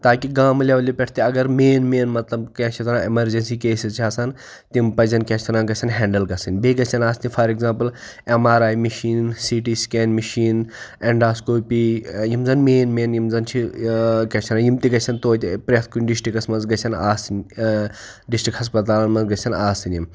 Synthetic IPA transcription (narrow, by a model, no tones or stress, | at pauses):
t̪aːkiɡaːmlʲɐʋɐlipʲɛʈʰt̪iɐɡɐɾmeːnmeːnmɐt̪lɐbkʲẽt͡ʃʰit̪ɐnãːimɐɾd͡ʒɐnsiːkeːsizt͡ʃʰaːsɐn | t̪impɐzɐnkɛ̃t͡ʃʰt̪ɐnaːɡɐsʲʰɐnɦɛ̃ːɳɖɐlɡɐsinʲbeːɡɐsʰɐnaːst̪ifʰɐɾeɡzãːmpɨl | emaːɾaːjmiʃiːnsiʈiːskeːnmiʃiːneɳɖaːskoːpijimzɐnmeːnmeːnjimzɐnt͡ʃʰikʲɐt͡ʃʰɐnajimt̪iɡɐt͡ʃʰɐnt̪oːt̪pɾʲet̪̚ʰkunɖisʈikɐsmɐnzɡɐt͡ʃʰɐnaːsinʲ | ɖisʈɾikhɐs̬pɐt̪̬aːlɐnmɐnzɡɐsʰɐnaːsinjim